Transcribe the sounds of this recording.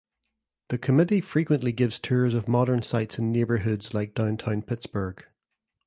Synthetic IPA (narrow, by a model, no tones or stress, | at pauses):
ðəkʰəmɪʔifɹikwə̃nʔlˠiɡɪvz̥tʰʉɹzəvmɔɾə˞nsaɪtsɪ̃nːebə˞ɦʉdz̥lˠaɪk̚d̥ãʊ̃ntʰãʊ̃npʰɪtsb̥ə˞ɡ̥